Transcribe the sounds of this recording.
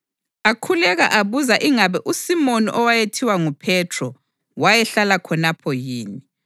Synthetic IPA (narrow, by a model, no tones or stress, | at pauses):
akʰulɛɣaʔaβuzaʔiŋaβɛʔusimoniʔɔwajetʰiwaŋupʰɛtʰrɔ | wajɛɬalakʰɔnapʰɔjiːni